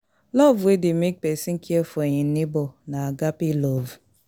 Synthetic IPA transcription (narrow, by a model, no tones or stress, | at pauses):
lɔvwedɪmek̚pesiŋ̩kʰiefɔɲinɪbɔnaaɡapilov